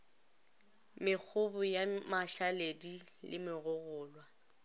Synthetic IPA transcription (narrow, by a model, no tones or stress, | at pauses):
mɪk͡xʰʊbʊjamaʃaledilɪ̰mɪɣʊɣʊːlwa